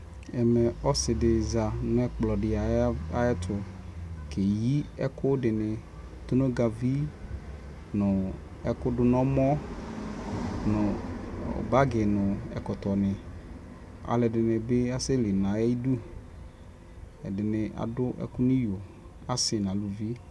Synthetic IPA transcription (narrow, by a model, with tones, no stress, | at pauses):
ɛ˨mɛ˨ɔ˦sɪ˨dɪ˨za˨nʊ̃˦ɛ˦k͡plɔ˨dɪ˨a˨ɛ˦t̪ʰʊ˨ | ke˨ji˦ɛ̰˦kʊ˦dɪ˨nɪ˨ | t̪o˦no˦ɡa˨vi˦ | nʊ̃˨ | ɛ˨kʊ˦dʊ˨nɔ̃˦mɔ˦ | nʊ̰˨ | ba˦ɡɪ˨nʊ̃˨ɛ̰˨kɔ˨t̪ɔ˨nɪ˨ | a̰˨lɪ˨dɪ˨nɪ˨be˦a˦sɪ˦lɪ˨nã˨e˦i˦du˦ | ɛ˨dɪ˨nɪ˨ʔa̰˨dʊ˦ʔɛ̰˦kʊ˦nĩ˦jo˨ | a˦sɪ˨nã˨lu˨vi˦